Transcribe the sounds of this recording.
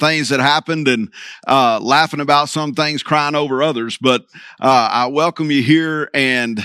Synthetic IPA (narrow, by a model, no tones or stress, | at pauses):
θɪ̃ŋzðɨt̚ɦæpɨ̃ndɨ̃nʔʔʌlæfɪ̃ŋɨbaʊtsʌ̃mθɪ̃ŋz̥kʰɹ̥aɪɪ̃ŋoʊvə˞ʌðə˞zbʌɾʔʌa̰ɪwɛlˠkə̃mjɨɦiɹɨ̃n